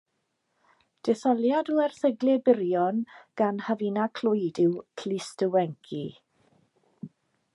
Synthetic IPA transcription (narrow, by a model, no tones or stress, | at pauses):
d̥ɛθɔlˠjaduɛrθəɡlɛbɪɾjɔnɡ̥anhavinakʰl̥ʊjdɪwkʰlistəwɛŋkʰi